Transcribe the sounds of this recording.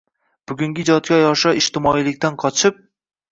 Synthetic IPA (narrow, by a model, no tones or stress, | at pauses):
b̥ʊɡʲʊŋɡʲɪd͡ʒɒt̪̚kʲajɒʃɒɪʃt̪ɪmɒilɪkʲt̪anqʰɒt͡ʃʰɪp̚